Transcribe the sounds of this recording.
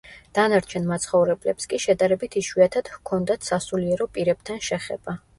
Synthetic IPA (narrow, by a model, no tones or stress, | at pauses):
d̪̥anaɾt͡ʃʰɛnmat̪sʰχɔvɾɛblɛpskʼiʃɛd̪aɾɛbit̪ʰiʃwiat̪ʰad̪̥hkʰɔnd̪at̪ʰsasuliɛɾɔpʼiɾɛb̥̚t̪ʰanʃɛχɛ̰b̥a